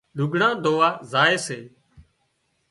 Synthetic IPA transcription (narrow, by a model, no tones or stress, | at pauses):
lʊɡɳãːd̪ʱoːʋaːzaːeːseː